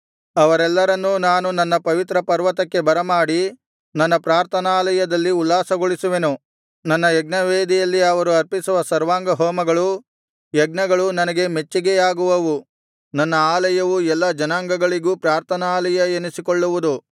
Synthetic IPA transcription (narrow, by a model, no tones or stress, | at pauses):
ɐʋɐɾɛlːɐɾɐnːunaːnunɐnːɐpɐʋit̪ɾɐpɐɾʋɐt̪ɐkːe̞bɐɾɐmaːɽi | nɐnːɐpɾaːɾt̪ʰɐnaːlɐjɐd̪ɐlːiulːaːsɐɡoɭisuʋe̞nu | nɐnːɐjɛɡnɐʋeːd̪ijɐlːiɐʋɐɾuɐɾpisuʋɐsɐɾʋaːŋɡɐɦɔːmɐɡɐɭu | jɛɡnɐɡɐɭunɐnɐɡe̞me̞t͡ʃːiɡejaːɡuʋɐʋu | nɐnːɐaːlɐjɐʋuɛlːɐd͡ʒɐnaːŋɡɐɡɐɭiɡuːpɾaːɾt̪ʰɐnaːlɐjɐenisikoɭːuʋud̪u